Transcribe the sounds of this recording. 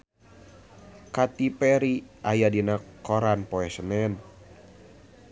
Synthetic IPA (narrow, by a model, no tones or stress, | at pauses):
kat̪ipɛɾiʔajadinakɔɾanpɔɛsənɛn